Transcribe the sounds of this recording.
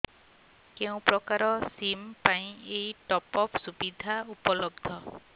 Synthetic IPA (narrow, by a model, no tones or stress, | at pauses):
keũpɾɔkaɾɔsimpaj̃ejʈɔpɔpʰsubid̪ʱaupɔlɔbd̪ʱɔ